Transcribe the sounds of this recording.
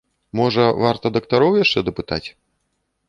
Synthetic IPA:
mɔʐɐvart̪ɐd̪ɐkt̪aɾɔwjaʂt͡ʂɛd̪ɐpɨt̪at͡sʲ

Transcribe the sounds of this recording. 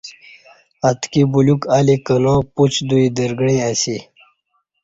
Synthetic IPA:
at̪kibulukalikənõːput͡ɕʰd̪uid̪əɾɡɽiasi

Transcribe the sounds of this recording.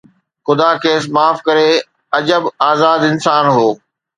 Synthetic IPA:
xʊd̪akʰeːsmaːfkɐɾe | ɐd͡ʑəbaːzaːd̪ɪnsaːnɦoː

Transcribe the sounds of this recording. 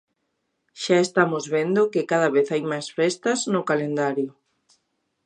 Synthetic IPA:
ʃaest̪amozβend̪okekaðaβeθajmajsfest̪ɐznʊkalend̪aɾjo

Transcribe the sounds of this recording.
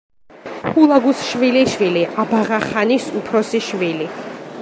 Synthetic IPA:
hulˠaɡusʃviliʃwiliʔabaʁaχanisupʰɾɔsiʃvili

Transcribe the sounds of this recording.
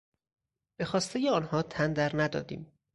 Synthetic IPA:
b̥e̞xɒːst̪ejeɒːnhɒːt̪ʰænd̪æɾnæd̪ɒ̰ːd̪ḭːm

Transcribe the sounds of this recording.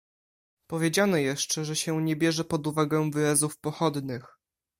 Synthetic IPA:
pɔvʲjed͡ʑanɔjɛʂt͡ʂɛʐɛɕɛɲɛbʲjɛʐɛpɔd̪uvaɡɛ̃vɘɾazufpɔxɔd̪nɘx

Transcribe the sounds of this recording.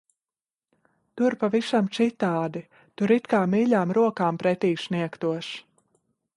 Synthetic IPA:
t̪uɾpavisamt͡ʃit̪aːd̪i | t̪uɾit̪kaːmiːʎʲaːmɾuɔkaːmpɾɛt̪iːsniɛkt̪uɔʃ

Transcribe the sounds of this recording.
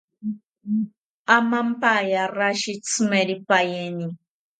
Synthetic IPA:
amampajaraʃit͡sʰɨmeɾipajeni

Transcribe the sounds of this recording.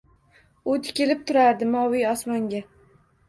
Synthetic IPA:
ʊt̪ʰɪ̥kʲɪlɪp̚t̪ʰʊɾaɾd̪ɪmɒwijɒsmɒŋɡʲa

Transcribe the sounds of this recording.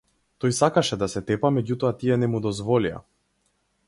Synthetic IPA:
t̪ɔjsakaʃɛd̪asɛt̪ɛpamɛɟut̪ɔat̪iɛnɛmud̪ɔzvɔlia̰

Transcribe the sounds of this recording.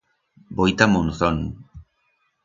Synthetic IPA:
bojt̪amonθon

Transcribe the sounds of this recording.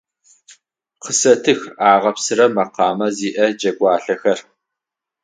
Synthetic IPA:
qəsɐtʰɨxaːʁɐpsɨɾɐmɐqɑːmɐziːʔɐd͡ʒɐɡʷʼɑːɬɐxɐr

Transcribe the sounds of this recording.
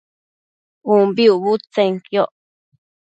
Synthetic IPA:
umbiuβut͡seŋkjoʔ

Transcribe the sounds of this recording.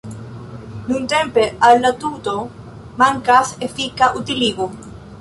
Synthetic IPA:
nunt̪empealːat̪ut̪o | maŋkasefikaʔut̪iliɣu

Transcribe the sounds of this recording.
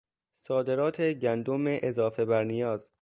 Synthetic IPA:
sɒːd̪e̞ɾɒːt̪ʰeɟænd̪omeʔezɒːfe̞bæɾnijɒːz

